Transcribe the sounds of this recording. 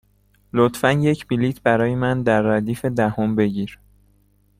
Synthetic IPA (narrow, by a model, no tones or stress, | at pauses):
lot̪fænje̞cʰbiliːt̪ʰbæɾɒːjemænd̪æɾːæd̪iːfe̞d̪æhombe̞ɟiːɾ